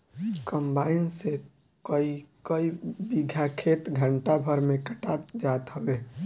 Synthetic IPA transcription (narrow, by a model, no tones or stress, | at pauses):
kəmbaːɪnse | kəikəibiɡʱjakʰet̪ɡʱəɳʈabʱəɾmẽkəʈaːt̪d͡ʒat̪ɦəbeː